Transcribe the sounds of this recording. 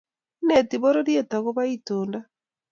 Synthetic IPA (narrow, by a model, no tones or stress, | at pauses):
netiβoɾoɾjetaɣoβaitoːnda